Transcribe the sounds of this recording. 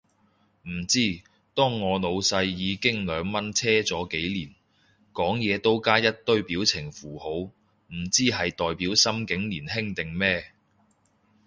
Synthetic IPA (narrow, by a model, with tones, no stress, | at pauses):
m̩˨˩t͡siː˥ | t̪ɔː˥ŋːɔː˨˧lo˨˧wsɐ˧jːiː˨˧kɪ˥ŋlœː˨˧ŋmɐ˥nt͡sʰɛː˥t͡sɔː˨˥ke˨˥jliː˨˩n | kɔː˨˥ŋjɛː˨˧t̪o˥wkaː˥jɐ˥t̚t̪ɵ˥ɥpiː˨˥wt͡sʰɪ˨˩ŋfuː˨˩ho˨˧˥w | m̩˨˩t͡siː˥ɦɐ˨jt̪ɔː˨jpiː˨˥wsɐ˥mkɪ˨˥ŋliː˨˩nɦɪ˥ŋt̪ɪ˨˩ŋmɛː˥